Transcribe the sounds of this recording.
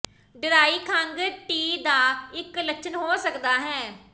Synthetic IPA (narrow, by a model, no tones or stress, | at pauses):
ɖɪɾaːiːkʰaŋɡʈiːd̪aːɪkləkʃʰənɦoːsəkd̪aːɦɛ̃ː